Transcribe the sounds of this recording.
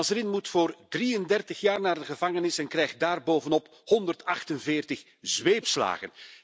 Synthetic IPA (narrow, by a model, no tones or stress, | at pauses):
ɑsɾɪnmutfoːrdriəndɛrtəχjaːrnaːrdəɣəvɑŋənɪsɛnkrɛjxt̚daːrboːvənɔp | hɔndərtɑxtənvɪːrtəχ | zʋeːpsla̰ːɣə̰n